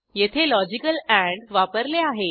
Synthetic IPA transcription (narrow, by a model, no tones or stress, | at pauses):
jet̪ʰelɔd͡ʑikəlæ̃ɳɖʋapəɾleaɦe